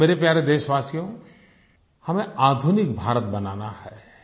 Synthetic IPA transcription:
meːɾepjaːɾed̪eːʃʋaːsijõ | hɐmẽaːd̪ʱunɪk̚bʱaːɾət̪̚bɐnaːnahɛː

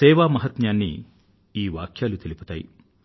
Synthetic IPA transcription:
sɛːʋaːmɐɦɐt̪njaːnːḭ | iːʋaːkʰjaːlut̪elipu̥t̪aːjḭ

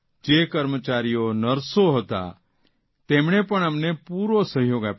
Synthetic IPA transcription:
d͡ʒekəɾmət͡ʃaːɾijonəɾsoɦət̪a̰ | t̪eːmɳ̃epəɳ̃əmnepuːɾosəɦjoːɡap

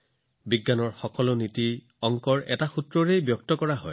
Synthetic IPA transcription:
biɡːanɔɹxɔkɔloniti | ɔŋkɔɹɛtaxutɹɔɹejbjɔk̚tɔkɔɹaɦɔ̰j

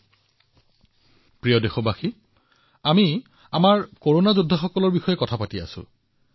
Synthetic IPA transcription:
pɹijɔdexɔbaxi | ami | amaɹkoɹonazudʱːaxɔkɔlɔɹbixɔjɛkɔtʰapatia̰sʊ̰̃

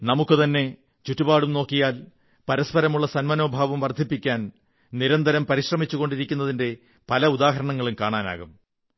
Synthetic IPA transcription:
nɐmukːɨt̪ɐnːe̞ | t͡ɕutːubaːɽumno̞ːkːijaːl | pɐɾɐspɐɾɐmuɭːɐsɐnmɐno̞ːbʱaːʋɐmʋɐrd̪ʱipːikʲːaːn | niɾɐnd̪ʱɐɾɐmpɐɾiɕrɐmit͡ɕːuɣo̞ɳɖiɾikʲːunːɐðinde̞ | pɐlɐud̪aːɦɐɾɐɳɐŋːɐɭumkaːɳaːna̰ːɣum

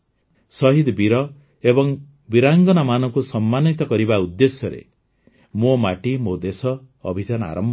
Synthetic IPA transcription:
sɔɦid̪biɾɔ | ebɔŋ | biɾaŋɡɔnamanɔŋkusɔmːanit̪ɔkɔɾibaud̪ːesjɔɾḛ | momaʈimod̪esɔː | bʱid̪ana̰ɾɔmbʱ

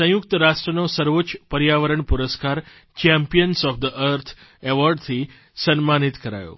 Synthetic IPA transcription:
sə̃juk̚t̪əɾaʂʈɾənosəɾʋot͡ɕpəɾjaʋəɾəɳpuɾəskaɾ | t͡ɕɛ̃mpijənsɔfd̪əʔəɾt̪ʰ | eʋɔɾɖt̪ʰi | sənmanit̪kəɾa̰jo̰

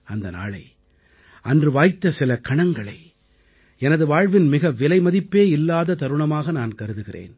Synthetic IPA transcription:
ɐnd̪ɐna̰ːɭɐ̰ɪ | ʔɐndrɯʋaːjt̪ːɐsɪlɐkɐɳɐŋɡɐɭɐ̰ɪ | ɛnɐðɯʋaːɻʋɪnmɪɣɐʋɪlɐɪmɐðɪpːeːɪlːaːðɐt̪ɐɾɯɳɐmaːɣɐnaːnkɐɾɯðɯɣɪrḛːn

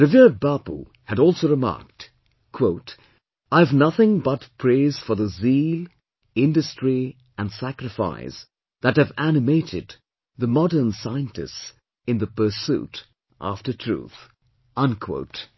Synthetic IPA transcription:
ɹɨviɹ̚bɑpṵ | hɨɾɔlˠsoʊɹɨmɑ̰ɹk̚t | kʰw̥oʊt | aɪɨvnʌθɪ̃ŋbʌtpʰɹ̥eɪz̥fə˞ðəzilˠ | ɪ̃ndɨstɹ̥i | ɨ̃ndsækɹɨfa̰ɪs | ðɨt̚hɨvænɨmeɪɾɪ̰d̪ | ðəmɑɾə˞nsaɪɨ̃ntɨ̰s | ɨ̃nðəpə˞sṵɾ | ʔæ̰ftə˞tʰɹ̥ṵθ | ʌ̃nkʰw̥o̰ʊt

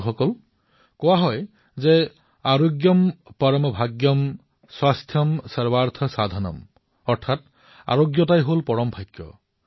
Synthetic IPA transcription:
xɔkɔl | kɔwaɦɔj | ze | aɹoɡjɔmpɔɹɔmɔbʱaɡjɔm | swast̪ʰjɔmsɔɹbaɹt̪ʰɔsad̪ʱanɔ̰m | ɔɾtʰat | a̰ɹoɡjɔt̬ajɦolpɔɹɔmbʱajkjɔ̰

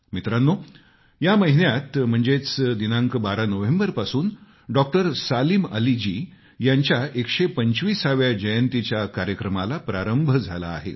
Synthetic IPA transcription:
mit̪ɾanːo | jaməɦinjat̪m̤əɳd͡zet͡sd̪inãŋkbaɾanəʋembəɾpasuːn | ɖɔk̚ʈəɾsaliːməlid͡ʑiː | jaɲt͡ɕjaekʂepəɲt͡ɕʋiːsaʋjad͡ʑəjənt̪it͡ɕjakaɾjəkɾəmalapɾaɾəmbʱəd͡zʱala̰ːɦḛ

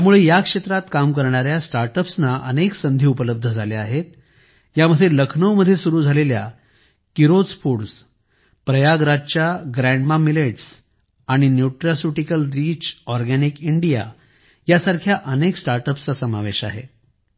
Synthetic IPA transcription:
jamuɭejakʂet̪ɾat̪kamkəɾɳ̃aɾjasʈaɾʈəpsnaʔəneksənd̪ʱiːupələb̚d̪ʱəd͡zʱaleaɦet̪̚ | jaməd̪ʱːjeləkʰɳəwməd̪ʱːjesuɾuːd͡zʱalelja̰ | kiɾod͡zfuɾs | pɾəjaɡɾat͡ɕjaɡɾæɳɖmamileʈs | aɽ̃injuʈɾasuʈikəlɾiːt͡ɕɔɾɡænikiɳɖija̰ | jasaɾkʰjaʔəneksʈaɾʈəpst͡sasəmaʋeɕa̰ɦḛ

